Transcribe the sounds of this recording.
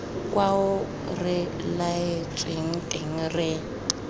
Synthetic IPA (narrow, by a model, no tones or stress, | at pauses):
kʼwaʊ | rɪ | laet͡ʃʼɪŋ̩tʼɪŋ̩rɪ